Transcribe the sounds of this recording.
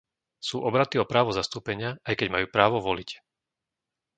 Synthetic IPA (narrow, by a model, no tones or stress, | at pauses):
suːʔɔbɾat̪iɔpɾaːʋɔzast̪uːpɛɲɪaajkɛɟmajuːpɾaːʋɔʋɔlic